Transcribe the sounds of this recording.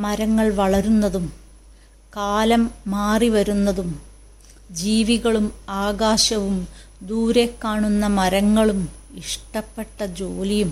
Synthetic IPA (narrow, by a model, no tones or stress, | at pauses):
mɐɾɐŋːɐɭʋɐɭɐɾunːɐðum | kaːlɐmːaːriʋɐɾunːɐðum | d͡ʑiːʋiɣɐɭumaːɣaːɕɐʋum | d̪uːɾe̞kːaːɳunːɐmɐɾɐŋːɐɭumiʂʈɐpːe̞ʈːɐd͡ʑoːlijum